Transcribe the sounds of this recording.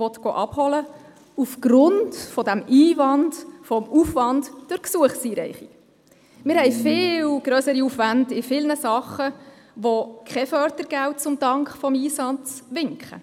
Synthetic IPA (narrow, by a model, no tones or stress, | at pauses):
ɔt̪ɡ̥ɔ̰ːʔɑphɔlə | ufɡ̥ɾʊndfɔdæmiːvɑndfɔmufʋɑndd̥ʊɾksuəχsiːɾɛ̰jχik | mɪɾhɛjfɪːlwɡ̥ɾøːsəɾiufʋændɪfɪlnəsɑχə | ʋɔkʰχɛfœɾdəɾɡ̥æwt̚t͡sʊmdɑŋkχfɔmiːsɑt͡sʋɪŋkχə̰